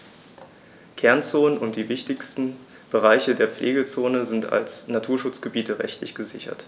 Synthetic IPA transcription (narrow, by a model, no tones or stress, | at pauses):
kʰɛɐnt͡soːnənʊnt̚d̥iːvɪçtɪçstn̩ | b̥əʁ̞aɪçədeːɐp͡flʔeːɡət͡soːnəzɪnta̰lsnatʰuːɐʃʊt͡sɡ̥əbiːtəʁɛ̰çtʰlɪçɡ̥əzɪçɐ̰t